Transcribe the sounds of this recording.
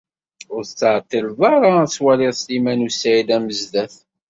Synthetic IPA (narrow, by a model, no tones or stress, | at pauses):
ʊɾθət͡sːʕt̪ːilvɑɾˤat͡sːwælɪðslimænusæilæməzdæθ